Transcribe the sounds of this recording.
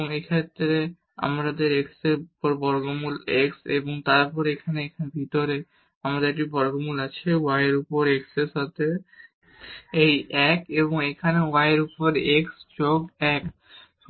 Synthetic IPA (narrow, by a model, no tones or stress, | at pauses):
ŋekʰaet̪ːɾe | a̰mɾad̪eɾekseupoɾbɔɾɡomuleksḛboŋt̪aɾpɔɾekʰaneekʰanebʱit̪oɾe | amad̪eɾekʈibɔɾɡomulat͡ɕʰeajeɾupoɾeksesɦɔt̪ʰe | ejɛkeboŋekʰanewajeɾupoɾeksd͡ʑoɡɛk